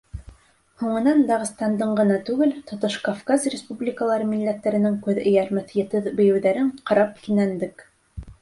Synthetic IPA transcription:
huɴɤ̆nɑnd̪ɑʁɤ̆st̪ɑnd̪ɤɴɢɤ̆nɑt̪ʉɡɘlt̪ŏt̪oʃkafkazrʲɪspublʲɪkəlˠɑɾɤmilːæt̪ːæɾɘ̆nɘŋkʉðɘ̆jæɾmɘθjɘ̆t̪ɘðbɘ̆jɘ̆wðæɾɘɴqɑɾɑp̚kinænd̪ɘk

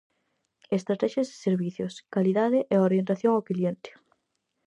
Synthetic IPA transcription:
est̪ɾat̪ɛʃjazeseɾβiθjoskaliðaðeʔeoɾjent̪aθjõŋawkljent̪ɪ̥

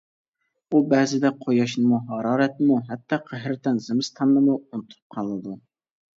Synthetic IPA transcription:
ubɛːzɪd̪ɛqʰojɑʃnɨmuɦɑɾɑːɾɛt̪̚muɦɛt̪ːɑqʰəɦɾt̪ɛnzɪmɨst̪ʰɑnːɨmuunt̪ʰu̥p̚qʰɑlˠɨd̪u

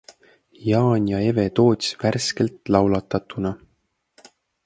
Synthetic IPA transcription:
jɑːnʲjɑe̞ve̞t̪o̞ːt̪ʲi̥sværske̞lt̪lɑwlɑt̪ːˑɑt̪ːˑunɑ

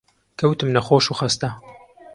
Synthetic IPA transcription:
kʰɐwt̪ɨmnɐxoːʃuːxɐst̪ɐ

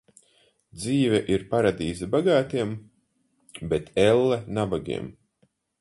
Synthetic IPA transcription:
d̪ziːvɛʔiɾpaɾad̪iːzɛbaɡaːt̪iɛm | bɛt̪ʰɛlˠːɛnabaɡḭɛm

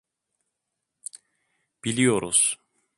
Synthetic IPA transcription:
b̥ilʲijo̞ɾuz̥

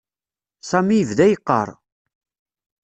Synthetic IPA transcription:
sæmijəvðæjəqːə̰ɾˤ

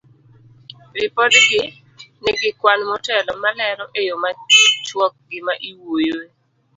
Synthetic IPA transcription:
rɪpɔdɡɪ | nɪɡɪkwanmɔtɛlɔmalɛɾɔʔejomat͡ʃɪt͡ʃwɔk̚ɡɪmaʔiwojo

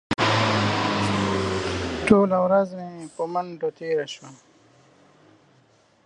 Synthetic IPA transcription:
ʈoːlawɾazmepəmaɳɖot̪eɾaʃwa

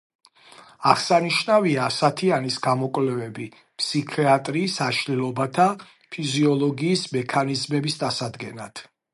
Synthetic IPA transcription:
aʁsaniʃnaviaːsat̪ʰianisɡamɔkʼwvlɛvɛbi | pʰsikʰɛat̪ʼɾiːsaʃlilˠɔbat̪ʰa | pʰiziɔlˠɔɡiːsmɛkʰanizmɛbisd̪asad̪ɡɛnat̪ʰ

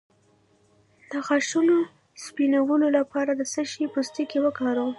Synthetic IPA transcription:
d̪̥əxaʃuno | spinawəlolapɑɾad̪əsəʃipəst̪ikewəkɑɾə

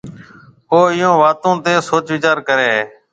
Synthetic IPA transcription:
ɦoːɪjõːʋaːt̪õːt̪eːsoːt͡ʃʋɪt͡ʃaːɾkəɾeːɦeː

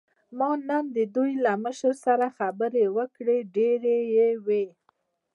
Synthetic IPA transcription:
mɑnənd̪əd̪ujlaməʃəɾsaɾaxabəɾewəkɽeɖeɾejewe

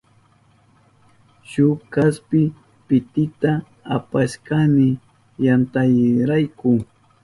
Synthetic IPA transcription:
ʃʊkaspɪ | pɪt̪ɪt̪a | apaʃkamɪ | jant̪ajɾajkʊ

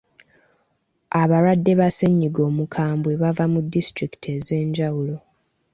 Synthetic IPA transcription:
aβaɾwadːe̞βaseɲːiɡo̞ːmukʰaːmbwe̞βavamudːistɾiki̥tʰe̞ze̞ːɲɟawulo̞

